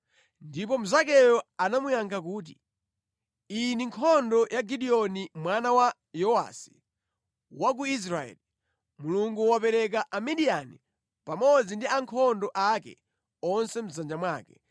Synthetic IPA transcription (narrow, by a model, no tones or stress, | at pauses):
ndip̬ɔm̩zakɛjɔanamujaŋkʰak̬uːt̬i | iniŋkʰɔndɔjʔaɡiɗiɔnimwanawa | jɔwa̰si̥ | wak̬uis̬ɾaɛ̰ːli | muluŋɡuwapɛɾɛk̬aʔamɛɗijani | pamɔd͡zindiaŋkʰɔndɔʔakɛ̰ | ɔnsɛm̩zand͡ʒamwaːkɛ